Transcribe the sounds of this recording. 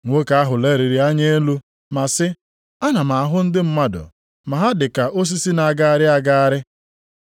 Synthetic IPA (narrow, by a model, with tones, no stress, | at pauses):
ŋʷo˦ka˦a˦ɦʊ˨le˦ɾi˨ɾi˨a˦ɲe˦lu˦ | ma˨sɪ˦ | a˦na˨ma˨a˨ɦʊ˦n̩˦dɪ˦m̩˦ma˦dʊ̰˨ | ma˨ɦa˦dɪ˨ka˨ʔo˦s̬i˦si˦na˨a˨ɡa˦a˦ɾɪ˦a˦ɡa˦a˦ɾɪ˦